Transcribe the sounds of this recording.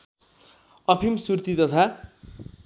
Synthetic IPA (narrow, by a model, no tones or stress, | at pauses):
ʌpʰimsurt̪it̪ʌt̪ʰa